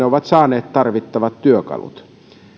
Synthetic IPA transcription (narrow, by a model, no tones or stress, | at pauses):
eoʋɑt̪sɑːneːt̪t̪ɑrʋit̪ːɑʋɑt̪tyøkɑ̰lṵt̪